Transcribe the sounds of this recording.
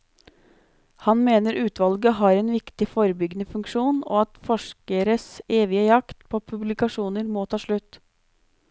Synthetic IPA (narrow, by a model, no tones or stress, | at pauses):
hɑnmeːnəɾʔʉːt̪ʋɑlɡəɦɑɾɛnʋɪkt̪ɪfoːɾəbʏɡnəfʉŋkʂuːno̰ːɑt̪fɔʂkəɾəseːʋɪəjɑkt̪pʰoːpʰʉblɪkɑʂuːnəɾmɔːt̪ʰɑːʂɭʉt̪ː